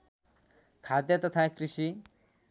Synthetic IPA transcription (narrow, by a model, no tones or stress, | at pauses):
kʰad̪jʌt̪ɔt̪ʰakɾiʃi